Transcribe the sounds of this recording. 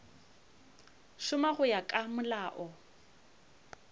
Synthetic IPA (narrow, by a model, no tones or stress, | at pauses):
ʃʊmaɣʊjakʼamʊlaːʔɔ